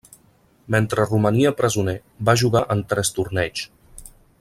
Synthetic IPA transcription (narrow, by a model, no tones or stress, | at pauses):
ment̪ɾəruməniəpɾəzunɛ | baʒuɣaʔənt̪ɾɛst̪urnɛt͡ʃ